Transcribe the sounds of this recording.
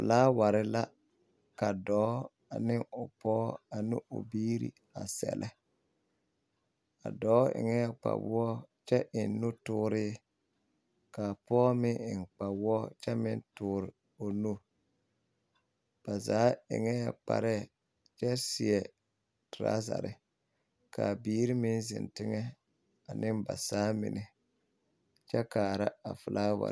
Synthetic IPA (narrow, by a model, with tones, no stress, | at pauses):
ʊ̰˨laː˦wa˨ɾɪ˦la˦ | ka˨dɔː˨˦ | a˨nɪ˦ŋʊ˨pɔː˦a˨nɪ˦ʊ̰˨biː˦ɾḭ˦ | a˨sɛ̰˨lʔɛ˦ | a̰˨dɔː˨˦ɪ̰˨ŋɛ˦ɛ˦˨k͡pa̰˨wɔ˦t͡ʃɛ˦ʔɪ˨nːu˦tʊː˦ɾɪ˦ | ka˨pɔː˦mɪ˦ɪ˨nk͡pa˨wɔ˦t͡ʃɛ˦mɪ˦ntʊː˦ɾɪ˨ | o˨nu˦ | b̥a˨zaː˨˦ɪ̰˨ŋɛ˦ja˨k͡pa̰˨ɾɛ˦˨ | t͡ʃɛ˦sɪ˨ɛ˨ | tɾa̰˦za̰˨ɾɪ̰˦ | ka˨biː˦ɾi˦mɪ˦nzɪ̰˨ntɪ˦ŋɛ˦ | a˨nɪ˦mba̰˨saː˨˦mɪ̰˨nɪ˦ | t͡ʃɛ˦kaː˨ɾa˦a˨fʊ˨laː˦wa̰˨